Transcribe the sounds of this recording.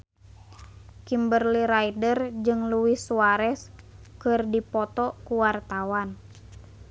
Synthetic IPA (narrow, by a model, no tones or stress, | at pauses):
kimbərliɾaidərd͡ʒɨŋluwisuaɾɛskɨrdipɔt̪ɔkuwart̪awan